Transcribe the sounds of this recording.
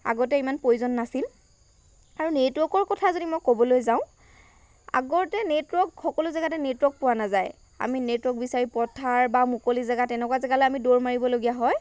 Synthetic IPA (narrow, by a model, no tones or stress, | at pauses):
a̰ɡɔt̬ɛimanpojuzɔnːasil | aɹunetwɔkɔɹkɔtʰazodimɔjkobɔlojzaʊ̃ | a̰ɡɔtɛnetwɔkxɔkɔlʊzaɡatɛnetwɔk̚pʊwanazaj | a̰minetwɔk̚bisaɹipɔtʰaɹbamukolizaɡatɛnɛkwazɛɡaloamidoɹmaɹibɔloɡijaɦɔj